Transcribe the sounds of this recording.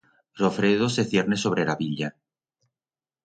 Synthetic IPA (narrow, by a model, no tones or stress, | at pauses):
rofɾeð̞oseθje̞ɾne̞so̞β̞ɾelaβiʎa